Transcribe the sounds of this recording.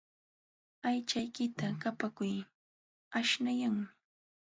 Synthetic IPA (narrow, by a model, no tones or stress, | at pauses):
ajt͡ʃajkɪt̪akapakʊj | aʃnajaŋmɪ